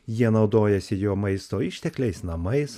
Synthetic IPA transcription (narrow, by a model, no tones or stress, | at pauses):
jiɛnɒʊd̪oːjɛsʲɪjoːmɐɪst̪oːɪʃʲt̪ʲɛklʲɛɪsnɐmɐɪs